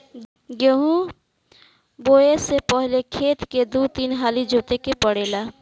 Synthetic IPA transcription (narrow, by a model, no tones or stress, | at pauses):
jeɦũ | boːesepəɦlekʰeːt̪ked̪ut̪inɦaːlid͡ʒʱuːt̪ekepəɽeːla